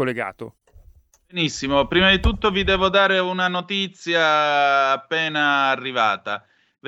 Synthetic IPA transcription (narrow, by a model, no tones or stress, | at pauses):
olːeɡa̰ːt̪o̰ | benisːimopɾiːmad̪it̪ut̪ːovid̪ɛːvod̪aːɾeunanot̪it̪sjaː | pːɛːnaːrːiva̰ːt̪a | v